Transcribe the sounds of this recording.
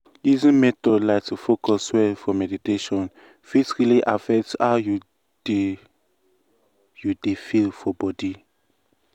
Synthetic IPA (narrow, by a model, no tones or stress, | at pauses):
izĩnmɛtɔdlaɪk̚tufokɔswɛlfɔmɛditeʃɔ̃n | fitsɹiliʔafɛk̚taju̥ | judefilfɔbɔdi